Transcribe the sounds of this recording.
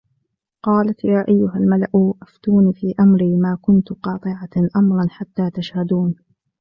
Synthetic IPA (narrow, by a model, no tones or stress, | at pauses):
qɑːlat̪jaːʔajːʊɦalmalaʔʊʔaft̪uːniːfiːʔamɾiːmaːkʊnt̪qɑːt̪ˤɨʕaʔamɾˤɑnħat̪ːaːt̪aʃhad̪uːn